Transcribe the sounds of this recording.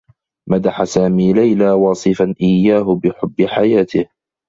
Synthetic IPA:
mad̪aħasaːmiːlajlaːwɑːsˤɨfanʔɪjːaːɦʊbɪħʊbːɪħajaːt̪ɪh

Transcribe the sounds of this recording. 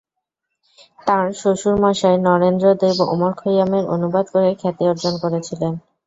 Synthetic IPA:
t̪ãɾʃoʃuɾmaʃaenɔɾend̪ɾod̪ebo̰moɾkʰojameɾo̰nubad̪koɾekʰɛt̪eoɾd͡ʑonkoɾet͡ɕʰilen

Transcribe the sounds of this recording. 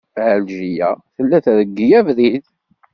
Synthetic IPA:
fʕəlʒijæθəlːæθðəɡːijævðið

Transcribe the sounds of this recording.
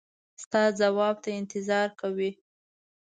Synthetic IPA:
st̪ɑd͡zawɑb̚t̪aɪnt̪ɪzɑɾkawi

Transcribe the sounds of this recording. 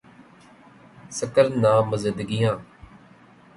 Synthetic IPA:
səkəɾnãːməzɪ̃nd̪əɡɪjãː

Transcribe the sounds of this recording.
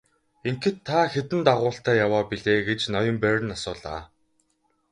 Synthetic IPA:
eŋxɘ̆t̪ʰːaxet̪ɘ̆nt̪aʁʊːɬt̪æːjawaːpiɮeːɡet͡ɕnɔjɞ̆mpærɘ̆nasʊːɮa̰ː

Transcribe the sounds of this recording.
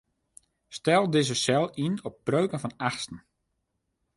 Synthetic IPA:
stɛlˠdɪzəsɛlˠinɔp̚ːrøːkənfɔnaxstən̩

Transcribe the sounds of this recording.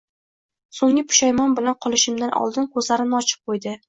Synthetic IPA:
soŋʲɪpʰʊ̥ʃajmɒnbɪlanqʰɒlˠɪʃɪmd̪anʔɒ̰lˠd̪ɪnkʰɵzlaɾɪnɒt͡ʃʰɪ̥p̚qʰojd̪ɪ

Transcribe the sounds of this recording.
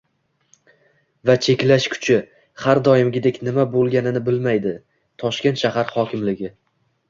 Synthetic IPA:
vat͡ʃʰe̞kʲlaʃkʰʊ̥t͡ʃʰɪ | haɾd̪ɒjɪmɡʲɪd̪e̞kʲnɪmabolˠɡʲanɪnɪbɪlmajd̪ɪ | t̪ʰɒʃkʲe̞nt̪ʃahaɾχɒkʲʰɪmlɪɡʲɪ

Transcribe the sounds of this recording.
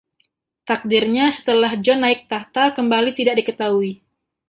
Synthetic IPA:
t̪ak̚dirɲasə̥t̪əlahd͡ʒɔnːaɪk̚t̪at̪akəmbalit̪idak̚dikət̪aui

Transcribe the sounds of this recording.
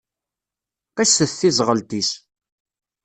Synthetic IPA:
qæʃsəθθizˤʁəlt̪is

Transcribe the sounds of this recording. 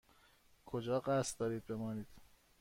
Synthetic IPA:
kʰod͡ʒɒːɢæst̪d̪ɒːɾiːd̪̚be̞mɒːniːd̪̥

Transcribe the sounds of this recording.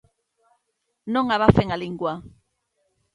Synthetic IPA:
nõŋaβafeŋaliŋɡwa

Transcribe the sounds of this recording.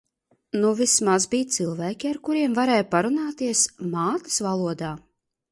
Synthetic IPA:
nuvʲismazbʲiːt̪sɨlˠvæːkʲiaɾkuɾiɛmvaɾɛːjpaɾunaːt̪iɛsmaːt̪i̥svalˠuɔd̪aː

